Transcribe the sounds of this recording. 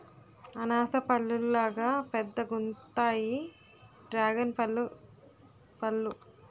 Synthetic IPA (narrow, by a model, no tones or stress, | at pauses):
ɐnaːsɐpɐɭːullaːɡaːpɛd̪ːɐɡunt̪aːji | ɖɾaːɡɐnpɐl | pɐlːu